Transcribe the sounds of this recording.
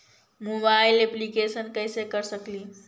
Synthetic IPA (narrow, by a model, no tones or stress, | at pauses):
mobajleplikesənkajsekəɾsəkliː